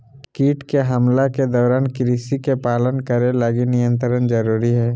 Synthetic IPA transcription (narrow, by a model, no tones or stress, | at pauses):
kiːʈkeɦɐmlaked̪ɔːɾaːnkɪɾisikepaːlənkəɾelaɡinɪjə̃nt̪ɾənd͡ʒɐɾuːɾiɦɛː